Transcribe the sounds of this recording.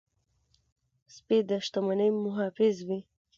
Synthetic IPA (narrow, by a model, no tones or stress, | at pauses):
spid̪əʃt̪amanəjmʊɦɑfɪzwi